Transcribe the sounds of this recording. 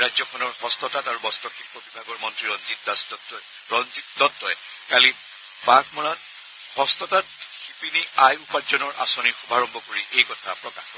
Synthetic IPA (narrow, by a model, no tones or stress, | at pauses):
ɹajzɔkʰɔnɔɹhɔstɔtataɹubɔstɔkʰitɔbibʱaɡɔɹmɔntɹiɹɔnzitas | ɹɔnzit̚dɔtːɔjɛ | kali | baɡmɔɹat | hɔstɔtat̚ | xipiniajupazɔnɔɹʔa̰sɔnixubʱaɹɔmbʱɔkoɹiʔejkɔtʰapɹɔkaxɔ